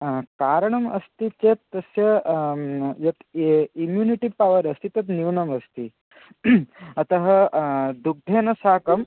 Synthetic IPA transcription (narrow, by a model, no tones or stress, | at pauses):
kaɾɳɐmɐ̰st̪it͡ɕet̪ːɐsjə | jɐt̪imjuniʈipaʋəɾəst̪it̪ɐt̪niwnɐməst̪i | ɐt̪əɦəd̪uɡ̚d̪ʱenɐsakɐm